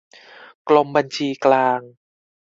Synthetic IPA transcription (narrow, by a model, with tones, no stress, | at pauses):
klo˧mba˧nt͡ɕʰiː˧klaː˧ŋ